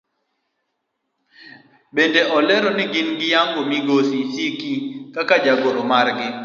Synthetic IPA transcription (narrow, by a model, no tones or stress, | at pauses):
bendeʔɔlɛɾonɪɡɪnɡɪjaŋɡomiɡosisikikakad͡ʒaɡoɾomaɾɡɪ